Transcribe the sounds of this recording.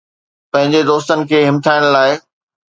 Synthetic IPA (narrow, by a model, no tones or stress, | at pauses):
pɐ̃ɦɪ̃ɲd͡ʑed̪oːst̪ənɪ̆kʰeːɦɪmt̪ʰaːɪɽ̃laːɪ